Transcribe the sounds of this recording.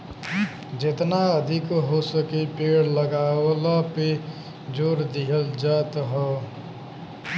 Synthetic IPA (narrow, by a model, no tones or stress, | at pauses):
d͡ʒet̪naəd̪ʱikɦosəkepeɽləɡalape | d͡ʒoɾd̪iɦəld͡ʒat̪ɦɔ